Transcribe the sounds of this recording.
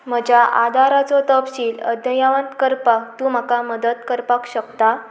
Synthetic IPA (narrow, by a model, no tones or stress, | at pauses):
m̤əd͡ʑʱjaʔad̪ʱaɾat͡sɔt̪əpɕiːləd̪ʱjəjaʋənt̪kəɾpakt̪uːm̤əkaməd̪ət̪kəɾpakɕəkt̪a